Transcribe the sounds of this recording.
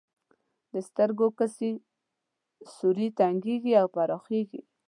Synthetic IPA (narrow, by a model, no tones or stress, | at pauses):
d̪əst̪əɾɡokəsi | suɾit̪aŋɡeɡiawpaɾɑxeɡḭ